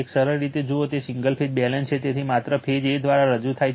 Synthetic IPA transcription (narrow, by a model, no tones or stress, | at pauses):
eksəɾəɾːit̪ed͡ʒoot̪esiŋɡəlpʰed͡ʒ̚bɛlənt͡ʃʰet̪et̪ʰimat̪ɾəpʰed͡ʒed̪ʋaɾaɾəd͡ʒut̪ʰaj